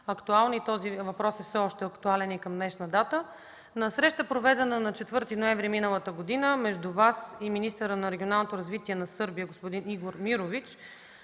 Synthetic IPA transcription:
ɐkt̪ualˠnit̪ɔzivɐpɾɔsɛfsɛɔʃt̪ɛɐkt̪ualɛnikɐmd̪nɛʃnəd̪at̪ə | nɐsɾɛʃt̪əpɾovɛd̪ɛnənɐt͡ʃɛt̪vɤɾt̪inoɛ̃ɱvɾiminəlˠət̪əɡod̪inəmɛʒd̪uvasiminist̪əɾənɐɾɛɡʲionalˠnot̪oɾɐzvit̪iɛnɐsɤɾbijəɡospod̪iniɡoɾmiɾovit͡ʃ

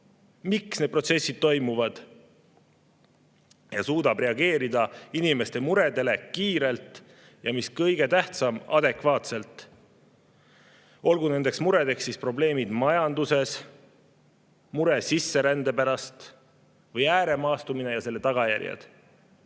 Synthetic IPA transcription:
miksne̞d̪̚pro̞t̪se̞sːid̪̥̚t̪o̞jmuvɑd̪̥ | jɑsuːd̪ɑb̥re̞ɑɡ̥e̞ːɾid̪ɑinime̞st̪e̞muɾe̞d̪e̞le̞kiːɾe̞lt̪ˑ | jɑmiskɤjɡ̥e̞t̪æht̪sɑmɑ̰d̪e̞kvɑːt̪se̞lt̪ˑ | o̞lɡune̞nd̪e̞ksmuɾe̞d̪e̞ksːispro̞ble̞ːmid̪̥mɑjɑnd̪use̞s | muɾe̞sisːe̞ɾænd̪e̞pæɾɑst̪ | vɤjæːɾe̞mɑːst̪umine̞jɑse̞lːe̞t̪ɑɡ̥ɑjæ̰ɾjɑ̰d̪̥

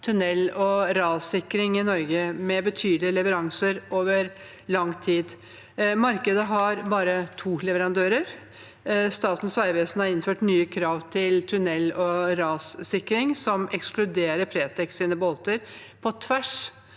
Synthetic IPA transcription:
t̪ʰʉnɛlːɔɾɑːsɪkɾɪŋɪnɔɾɡəmɛbət̪ʰyːd̪lɪəlɛʋəɾɑŋsəɾoːʋəɾ | lɑŋt̪ʰiːd̪ | mɑɾkəd̪əɦɑɾbɑːɾət̪ʰuːlɛʋəɾɑnd̪øːɾəɾ | st̪ɑːt̪n̩sʋæɪʋeːsn̩hɑɾɪnføːʈnyːəkʰɾɑːʋt̪ʰɪlt̪ʰʉnɛlːɔɾɑːssɪkɾɪŋsɔmɛksklʉd̪eːɾəpʰɾeːt̪ʰɛksiːnəbɔlt̪əɾpʰɔt̪ʰʋæʂ

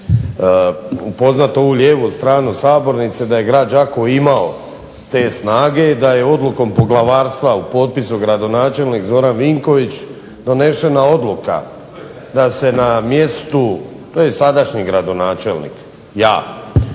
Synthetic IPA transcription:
upo̞znat̪oouʎʲjeːʋust̪ɾaːnusaːbo̞ɾnit̪sed̪aje̞ɡɾaːd̪d͡ʒakoimao | t̪e̞ːsnaːɡe̞d̪aje̞o̞d̪lˠuko̞mpo̞ɡlˠaʋaːɾst̪ʋaupo̞ːt̪̚pisuɡɾad̪o̞naːt͡ʃe̞lnikzo̞ɾanʋiŋko̞ʋit͡ɕ | d̪o̞ne̞ʃe̞nao̞d̪luka̰ | d̪ase̞namje̞st̪u | t̪oːjesad̪aʃɲiɡɾad̪o̞naːt͡ʃe̞lnḭk | jaː

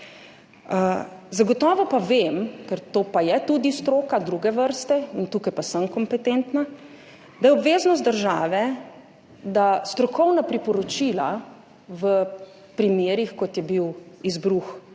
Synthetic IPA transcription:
əzaɡɔt̪ɔːʋɔpaʋemkɛɾt̪oːpajɛt̪ud̪ist̪ɾoːkad̪ɾuɡɛʋəɾst̪ɛint̪uːkajpasəmkɔmpɛt̪ent̪na | d̪ajɛɔbʋeːznɔst̪̚d̪əɾʒaːʋɛ | d̪ast̪ɾɔkɔwnapɾipɔɾɔt͡ʃiːla̰ | ʋə | pɾimeːɾixkɔt̪jɛbiwizbɾux

